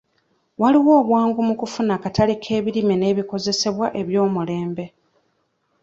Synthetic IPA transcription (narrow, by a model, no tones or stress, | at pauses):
waliwo̞ːβwaːŋɡumukufunakatalikʰe̞ːβiɾimene̞ːβiko̞ze̞se̞βwaʔe̞βjo̞ːmule̞ːmbe̞